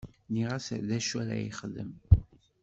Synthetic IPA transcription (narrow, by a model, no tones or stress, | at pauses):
niʁasðæʃæɾæ̰jḭχəðəm